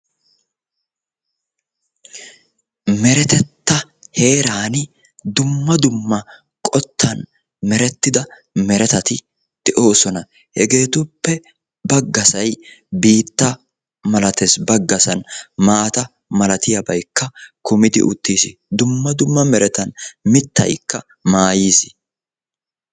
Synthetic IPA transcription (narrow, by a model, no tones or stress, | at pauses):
mɛɾɛt̪ɛt̪ːɐ | he̞ːɾaːnɪ | d̪ʊmːɐd̪ʊmːɐ | kʼɔt̪ʰːɐn | mɛɾɛt̪ːɪd̪ɐ | mɛɾɛt̪ɐt̪ɪ | d̪̥ɛʔo̞ːsɔnɐ | hɛɡe̞ːt̪ʊpːɛ | bɐɡːɐsɐjbiːt̪ːɐ | mɐlɐt̪ɛsbɐɡːɐsɐnmaːt̪ɐ | mɐlɐt̪ɪjɐbɐjkːɐkʊmɪd̪ɪ̰ʔʊt̪ːiːsɪd̪ʊmːɐd̪ʊmːɐmɛɾɛt̪ɐnmɪt̪ːɐ̰jkːɐ | maːjisɪ